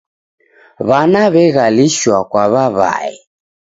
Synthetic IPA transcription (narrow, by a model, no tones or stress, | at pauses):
βanaβɛɣaliʃwakwaβaβa̰ɛ̰